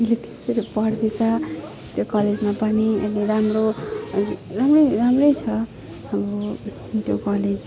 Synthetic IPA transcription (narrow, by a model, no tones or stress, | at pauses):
ileti̥seɾepʌrd̪et͡sʰʌ | t̪jokʌled͡zmapʌniḛliɾamro | ramrʌjɾamrʌjt͡sʰʌ | amɾo | t̪jokʌled͡z